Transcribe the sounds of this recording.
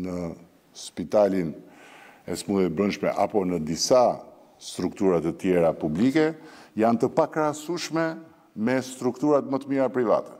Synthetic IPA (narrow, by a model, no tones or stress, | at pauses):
nə | spit̪alin | ɛsmuðɛt̪̚bɾənʃmɛ̰ʔa̰pɔnəd̪isa | st̪ɾuk̚t̪uɾat̪ət̪jɛɾapublikɛjant̪əpakɾasuʃmɛ | mɛst̪ɾukt̪uɾat̪mət̪əmiɾapɾiva̰t̪ɛ̥